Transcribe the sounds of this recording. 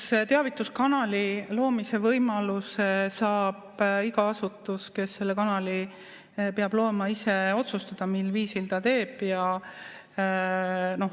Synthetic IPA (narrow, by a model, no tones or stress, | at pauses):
st̪eɑvit̪ːˑuskɑnɑlilo̞ːmise̞vɤjmɑlusesɑːb̥iɡɑɑsut̪ːˑuske̞sːe̞lːekɑnɑli | peɑb̥lo̞ːmɑise̞o̞t̪sust̪ɑd̪̥ɑmilːviːsilt̪ɑt̪e̞ːb̥jɑ | no̞